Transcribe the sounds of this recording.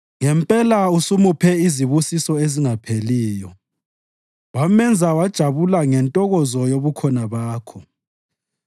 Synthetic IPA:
ŋɛmpʼɛlausumupʰɛiziβusisɔeziŋapʰeliːjɔ | wamɛnd͡zʱawad̥ʒ̥ʱaβulaŋɛntʼɔɣɔzɔjoβukʰɔnaβaːkʰɔ

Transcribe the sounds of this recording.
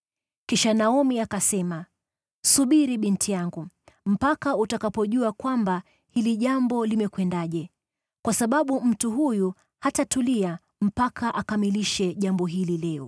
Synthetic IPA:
kiʃanaɔmiakasɛma | suɓiɾiɓintʰijaŋɡu | m̩pakautakapɔʄuakwamba | hiliʄambɔlimɛkwɛndaʄɛ | kwasaɓaɓum̩tuɦuju | hatatulia | m̩pakʰaʔakamiliʃɛʄambɔɦililɛɔ̰

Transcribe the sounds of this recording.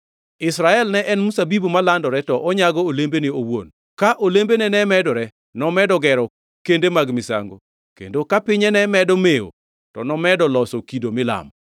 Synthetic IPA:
ɪsɾaɛlnɛʔɛnmusabibumalandɔɾɛtɔʔɔɲaɡɔolembeniowo̰n | kaʔolembenɛnɛmɛdɔɾɛ | nɔmɛdɔɡɛɾɔ | kendemaɡmɪsa̰ŋɡo̰ | kḛndokapɪɲɛnɛmɛdɔmeo̰ | tɔnɔmɛdɔlɔsɔkidomɪla̰m

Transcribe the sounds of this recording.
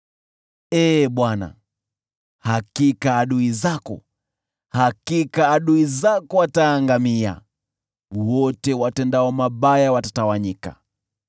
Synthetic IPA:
ɛːɓwana̰ | hakikaːɗuizakɔ̰ | hakikaːɗuizakɔataːŋɡamia̰ | wɔtɛwatɛndaɔmaɓajawatatawaɲika̰

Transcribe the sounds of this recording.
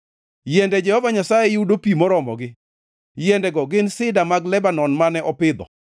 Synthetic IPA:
jɛndɛd͡ʒɛhɔvaɲasajɛjudopimɔɾɔmɔ̰ɡɪ | jɛndɛɡɔɡɪnsɪdamaɡlɛbanɔnmanɛʔɔpɪd̪ɔ̰

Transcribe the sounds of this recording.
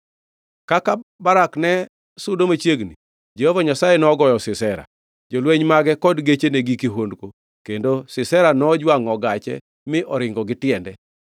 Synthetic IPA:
kakabaɾaknɛ | sʊdomat͡ʃjeɡni | d͡ʒehovaɲasajenɔɡɔjɔsɪsɛɾa̰ | d͡ʒolweɲmaɡɛkɔdɡet͡ʃeneɡikiɦondko | kendosɪsɛɾanɔd͡ʒwaŋɔɡat͡ʃɛ̰ | mɪʔɔɾɪŋɡɔɡɪtɪɛndɛ

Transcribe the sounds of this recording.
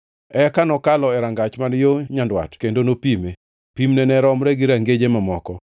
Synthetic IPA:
ɛkanɔkalɔɛɾaŋɡat͡ʃmanjoɲandwa̰tkendonopime | pimnɛnɛɾɔmɾɛɡɪɾaŋɡed͡ʒemamɔkɔ

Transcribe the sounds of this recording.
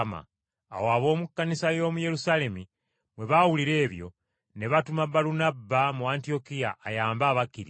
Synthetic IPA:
ma̰ | a̰woaβo̞ːmukːanisajo̞ːmuje̞ɾusale̞mi | mwe̞βawuliɾe̞ːβjo̞̰ | neβatumabalunabːamuantio̞kijaːjaːmbaːβakiɾi

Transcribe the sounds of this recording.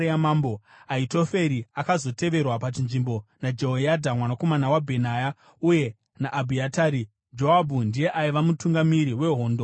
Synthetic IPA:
amamboaito̞fe̞ɾiakazo̞te̞ʋe̞rwapat͡ʃinʐimbo̞nad͡ʒeɦojadʱamwanako̞manawabʱe̞naːja | uje̞ | naʔːbʱiataːɾi | d͡ʒo̞abʱundije̞ʔaiʋamutuŋɡamiɾiwe̞ɦo̞ːndo

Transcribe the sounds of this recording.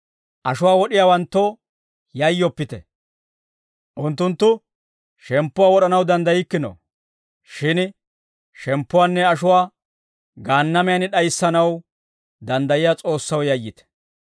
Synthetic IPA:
ʔɐʃʊwaːwɔɗɪjaːwɐnt̪ːo | jɐjːɔpːɪt̪ɛ̰ | ʔʊnt̪ːʊnt̪ːʊ | ʃɛmpːʊwaːwɔɗɐnɐwd̪ɐnd̪ɐjɪkːɪno̰ | ʃɪn | ʃɛmpːʊwaːnːɛɐʃʊwaː | ɡaːnːɐmɛjɐnɪɗɐjsːɐnɐw | d̪ɐnd̪ɐjɪjat͡sʼo̞ːsːɐwjɐjːɪt̪ɛ̥

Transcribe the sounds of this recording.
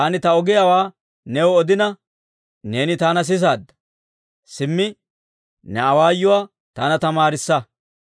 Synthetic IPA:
aːnɪt̪ɐɔɡɪjawaː | nɛwɔɔd̪ɪnɐ | ne̞ːnɪt̪aːnɐs̬ɪs̬aːd̪ːɐ̥ | sɪmːɪ | nɛɐwaːjːʊwaː | t̪aːnɐt̪ɐmaːɾɪsːɐ

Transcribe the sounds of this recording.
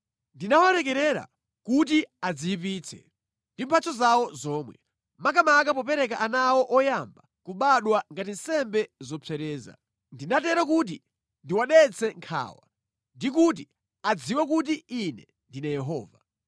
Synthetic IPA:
ndinawaɾɛkɛɾɛɾa̰ | kut̬iad͡ziip̬iːt͡sʰɛ̰ | ndimpʰat͡sʰɔzawɔzɔːmwɛ̰ | mak̬amak̬apɔpɛɾɛk̬aʔanawɔʔɔjamba | kuɓaɗwaŋɡatin̩sɛmbɛzɔt͡sʰɛɾɛːza̰ | ndinatɛɾak̬ut̬i | ndiwaɗɛt͡sʰɛŋkʰa̰ːwa̰ | ndik̬ut̬i | ad͡ziwak̬ut̬iːnɛ | ndinajɛɦɔ̰ːva

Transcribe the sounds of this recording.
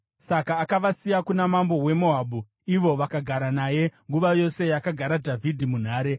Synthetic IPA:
sakaːkaʋasijakunamambo̞we̞mo̞ɦaːɓu | iʋo̞ʋakaɡʱaɾanaːje̞ŋɡuʋajo̞se̞jakaɡʱaɾadʱavʱidʱimun̤aːɾe̞

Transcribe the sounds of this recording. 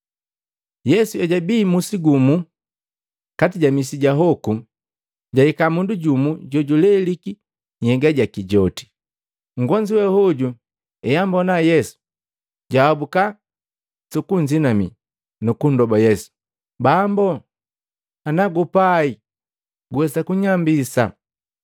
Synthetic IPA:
jɛsuɛɟabiːmusiɡumu | katiɟamisiɟaɦɔku | ɟaikamunduɟumuɟɔɟulɛliki | hɛɡaɟakiɟɔti̥ | ŋ̩ɡɔɲd͡ʒiwɛhɔɟu | ɛjambɔnajɛsu̥ | ɟawabuka | sukuɲd͡ʒinamḭ | nukundɔbajɛsu̥ | bambɔ | anaɡupai | ɡuwɛsakuɲambisa̰

